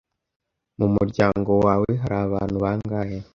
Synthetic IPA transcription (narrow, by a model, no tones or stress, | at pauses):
mumuɾɟaːŋɡo̞waːwe̞ɦaɾaːβa̰ːn̥huβaːŋɡaje